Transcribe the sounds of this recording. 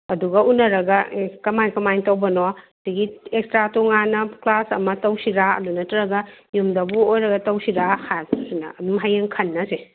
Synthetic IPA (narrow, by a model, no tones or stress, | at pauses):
ɐduɡɐunɐɾɐɡɐkɐmajkɐmajtɐwbɐnɔdiɡiekstɾatoŋanɐklasɐ̰mɐtɐwsiɾaɐ̰dunɐtɾɐɡɐjumdɐbuojɾɐɡɐtɐwsiɾahasinɐɐdumɦajeŋkʰɐnːɐse